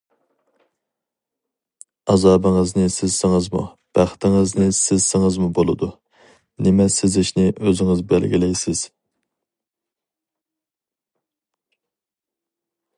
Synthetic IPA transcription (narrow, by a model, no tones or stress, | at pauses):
ɑzɑːbɪŋɨznɪsɪz̥sɪŋɪzmṵ | b̥æχt̪ʰɪŋɪznɪsɪzsɪŋɪzmubolˠɨd̪u | nɪmɛsɪzɪʃnɪʔøzɪŋɪzbɛlɡʲilɛjsɪz̥